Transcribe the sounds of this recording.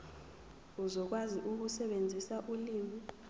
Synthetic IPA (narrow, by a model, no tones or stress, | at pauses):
uzɔk̬waziʔuk̬usɛɓend͡zʱisaʔuliːmi